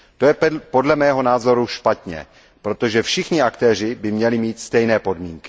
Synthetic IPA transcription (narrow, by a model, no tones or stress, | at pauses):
t̪o̞jɛpo̞dlɛmɛːɦo̞naːzo̞ɾuʃpat̪ɲɛ̰ | pɾo̞t̪o̞ʒɛfʃɪxɲɪakt̪ɛːr̝ɪbɪmɲɛlɪmiːt̪st̪ɛjnɛːpo̞dmiːŋkɪ̥